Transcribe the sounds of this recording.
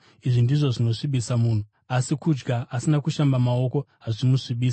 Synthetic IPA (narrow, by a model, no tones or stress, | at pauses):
iʐindiʐo̞ʐino̞ʂiɓisamuːn̤u | asikud͡ʒɡaːsinakuʃambamao̞ko̞ɦaʐimuʂiɓiːsi̥